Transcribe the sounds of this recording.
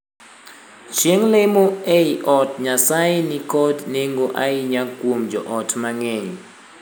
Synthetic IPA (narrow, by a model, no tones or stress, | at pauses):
t͡ʃiŋlemueʔɔtʰɲasajinikʰʼɔdneŋɡɔʔajiɲaɡ̥ʱumd͡ʒɔʔɔtʰmaŋeŋi